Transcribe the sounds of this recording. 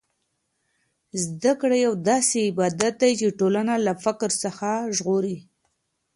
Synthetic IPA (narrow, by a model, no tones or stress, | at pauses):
zd̪akɽajawd̪ɑseɪbɑd̪at̪̚d̪ajt͡ʃeʈolanalafɪkɾsəxaʒɣoɾi